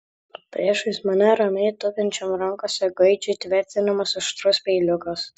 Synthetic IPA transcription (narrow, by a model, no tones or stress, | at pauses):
pʲɾʲiɛʃɐsmɐnʲɛɾɐmʲɛɪt̪ʊpʲɪnʲt͡ʃʲɔmɾɐŋkoːsʲɛɡɐɪd͡ʒʲʊt̪ʲʋʲæɾʲt̪sʲɪnɐmɐsɪʃt̪ɾʊsʲpʲɛɪlʲʊkɐs